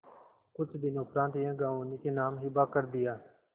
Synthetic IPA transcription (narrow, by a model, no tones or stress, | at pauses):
kʊt͡ʃʰd̪ɪnõːkɾãːt̪ɪjãːɡaːoːnikeːnaːmɦɪbaːkəɾd̪ɪjaː